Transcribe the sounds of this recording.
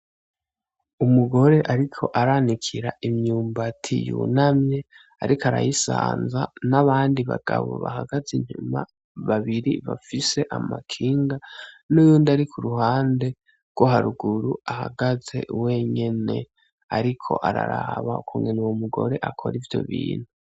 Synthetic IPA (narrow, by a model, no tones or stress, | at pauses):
umuɡo̞ɾe̞ʔaɾikʰo̞ʔaɾanikʰiɾaʔimɲuːmbatʰijṵnamɲe̞ | aɾikaɾa̰jisaːnzanaβaːndiβaɡ̥aβo̰βahaɡaziɲ̥uma̰ | βaβiɾiβafise̞ʔamakʰiːŋɡa | nujuːndaɾikʰuɾuɦaːnde̞ | ɡ̥woɦaɾuɡuɾuaha̰ɡaze̞̰we̞ɲe̞ne̞ | aɾikʰo̞̰ʔaɾaɾaaβaukʰuːŋɡenewomuɡo̞̰ɾe̞ʔakʰo̞̰ɾivjo̞̰βiːn̥hu